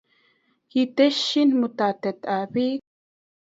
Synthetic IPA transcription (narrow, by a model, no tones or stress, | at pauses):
hit̪eʃːinmut̪at̪et̪aβi